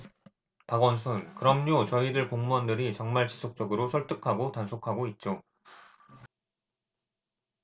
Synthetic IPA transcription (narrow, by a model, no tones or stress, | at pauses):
paɡwʌnsʰunkɯɾʌmɲot͡ɕʌidɯɭpoŋmuʌndɯɾit͡ɕʌŋmaɭt͡ɕi̥sʰok̚t͡ɕ͈ʌɡɯɾosʰʌɭt͈ɯkʰaɡotansʰokʰaɡoit̚t͡ɕ͈o